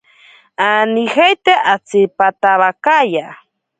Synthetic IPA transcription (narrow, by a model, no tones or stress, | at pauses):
anixajt̪eʔat͡sipat̪aβakaja